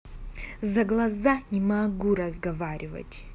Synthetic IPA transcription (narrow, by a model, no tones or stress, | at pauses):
zɐɡlˠɐzanʲimaɡuɾɐzɡɐvaɾʲivɐ̰tʲʼ